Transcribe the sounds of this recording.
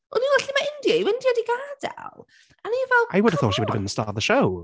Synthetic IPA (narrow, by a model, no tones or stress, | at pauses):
ɔnilaɬimaɪndjaiwɪndjadiɡaːdɛ̰lˠ | aniːvɛlˠʔajwʊdəv̥θɔːtʃiwʊdəvbɪ̃nðəstɑːðəʃow